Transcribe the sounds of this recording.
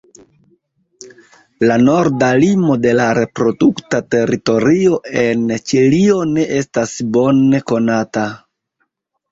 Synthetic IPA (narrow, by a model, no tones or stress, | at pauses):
lano̞ɾdalimo̞de̞laɾe̞pɾo̞duktate̞ɾito̞ɾio̞e̞nt͡ʃilio̞ne̞ʔe̞stasbo̞neko̞nata